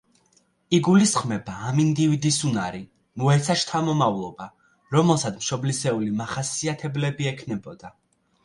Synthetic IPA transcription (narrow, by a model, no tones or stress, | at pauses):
iɡulisχmɛbaːmind̪ivid̪isunaɾi | muɛt̪sʰaʃt̪ʰamɔmavlˠɔba | ɾɔmɛlˠsat̪mʃɔblisɛulimaχasiat̪ʰɛblɛbiɛkʰnɛbɔd̪̥a